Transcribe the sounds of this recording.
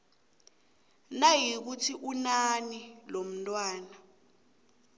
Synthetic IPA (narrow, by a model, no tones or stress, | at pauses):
najik̬utʰiʔunanilom̩ntʼwaːna